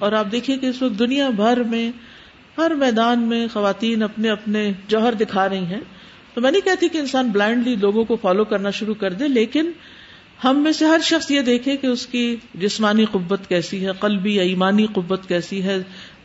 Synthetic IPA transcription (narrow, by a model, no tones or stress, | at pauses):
ɔːɾaːp̚d̪eːkʰiẽkeɪsʋɐk̚t̪̚d̪ʊnijabʱɐɾmẽ | hɐɾmɛːd̪aːnmẽxɐʋaːt̪iːnɐpneɐpned͡ʒɔːɦɾd̪ɪkʰaːɾɐɦĩɦɛ̃ː | t̪omɛ̃ːnĩkɛɦt̪ʰiikeɪnsaːnblɛ̃ːɳɖliloːɡõkofaːlokɐɾnaʃʊɾukɐɾd̪ẽleːkɪn | hɐmːẽːseɦɐɾʃɐxsjed̪eːkʰẽkeʊskid͡ʒɪsmaːniqʊbːət̪kɛːsiɦɛqɐlbijaiːmaːniqʊbːət̪kɛːsiɦɛː